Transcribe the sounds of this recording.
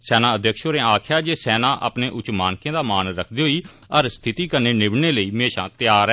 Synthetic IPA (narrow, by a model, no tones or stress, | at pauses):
sɛːnãːəd̪jəkʃoːɾẽːaːkʰjaːd͡ʒeːsɛːnãːʔə̰pneːʔʊt͡ʃmaːnkẽːd̪aːmaːnɾəkʰd̪iːɦoːiː | əɾst̪ʰɪt̪iːkəɾneːnɪbneːləiːmeːʃã̰ːt̪ɪjaːɾɛː